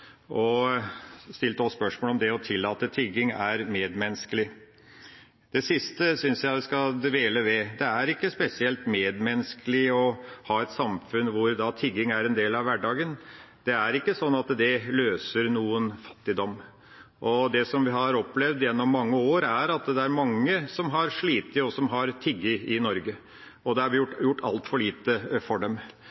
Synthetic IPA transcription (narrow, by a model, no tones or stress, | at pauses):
ʔɔ | st̪ɪlt̪əɔsspœʂmolɔmd̪ɛɔt̪ʰɪlːɑːt̪ət̪ʰɪɡɪŋæɾmeːd̪mɛnskəlɪ | d̪ɛsɪst̪əsʏnsjæɪʋɪskɑʋeːləʋɛd̪ɛæɾɪkːəspɛsɪɛlt̪meːd̪mɛnskəlɪɔhɑːɛt̪sɑmfʉnʋʊɾd̪ɑt̪ʰɪɡːɪŋæɾɛnd̪eːlɑʋʋæɖɑːɡən | d̪̥ɛæɾɪkːəsɔnːɑt̪d̪ɛløːsəɾnuːənfɑ̥t̪ːɪd̪ɔmː | ʔɔd̪ɛsɔmʋɪɦɑɾɔplɛʋd̪jɛnːɔmːɑŋːəoːɾæɾɑt̪d̪ɛæɾmɑŋːəsɔmɦɑɾʂɭiːt̪əɔsɔmɦɑɾt̪ʰɪɡːəɪnɔɾɡə | ɔd̪ɛhɑɾʋɪjʊʈjʊʈːɑ̰lt̪fɔɭiːt̪əfɔɖɛm